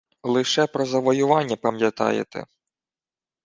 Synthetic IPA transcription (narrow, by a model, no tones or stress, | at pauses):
lˠɪʃɛpɾɔzɐʋɔjʊʋɑnʲːɐpɐmjɐt̪ɑ̰jḛt̪ɛ̰